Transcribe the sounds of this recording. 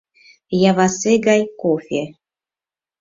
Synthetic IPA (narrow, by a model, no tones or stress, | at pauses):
javaseɡajkofʲe